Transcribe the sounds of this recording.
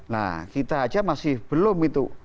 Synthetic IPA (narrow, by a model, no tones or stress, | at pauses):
la̰hkit̪ḁːd͡ʒamasɪhb̥əlʊmit̪u